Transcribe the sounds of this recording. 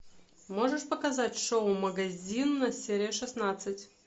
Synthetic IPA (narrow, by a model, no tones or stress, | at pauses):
moʐɨʂpəkɐzatʲʂoʊməɡɐzʲinnɐsʲeɾʲɪjəʂɨsnat̪sɨtʲ